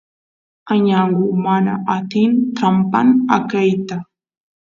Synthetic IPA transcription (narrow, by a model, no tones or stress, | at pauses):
aɲaŋɢʊmana̰ʔat̪ɪnt̪ɾampa̰na̰kajt̪a